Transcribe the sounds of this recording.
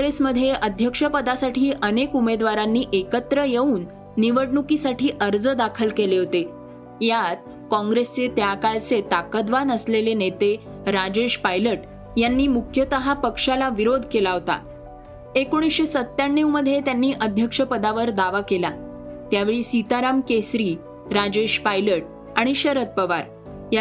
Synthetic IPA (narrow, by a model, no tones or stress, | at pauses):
ɾesməd̪ʱjeʔəd̪ʱjəkʂəpəd̪asaʈʰiːʔənekumed̪ʋaɾanːiːʔekət̪ɾəjeuːnː | iʋəɽɳukisaʈiːʔəɾd͡zəd̪akʰəlkeleɦot̪e | jat̪̚ | kɔ̃ŋɡɾest͡set̪jakaɭt͡set̪akəd̪ʋanəslelenet̪e | ɾad͡ʑeɕpajləʈ | janːiːmukʰjət̪əɦapəkʂalaʋiɾod̪ʱkelaɦot̪a̰ | ekoɽ̃isɕesət̪ːjaɳːiwməd̪ʱːjet̪janːiːʔəd̪ʱjəkʂəpəd̪aʋəɾd̪aʋakela | t̪jaʋeɭiːsit̪aɾamkesɾiː | ɾad͡ʑeɕpajləʈ̚ | aɽ̃iɕəɾət̪̚pəʋa̰ɾ | j